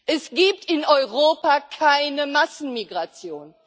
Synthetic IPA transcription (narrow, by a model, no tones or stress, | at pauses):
ʔɛsɡ̥iːptɪnɔʏʁoːpakʰaɪnəmasn̩miɡʁat͡sjoːn